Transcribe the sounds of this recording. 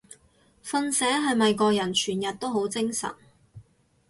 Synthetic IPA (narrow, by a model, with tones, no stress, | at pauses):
fɐ˧nsɛː˨˥ɦɐ˨jmɐ˨jkɔː˧k̚jɐ˨˩nt͡ʃʰyː˨˩njɐ˨t̚t̪o˥wɦo˨˥wt͡sɪ˥ŋsɐ̰˨˩n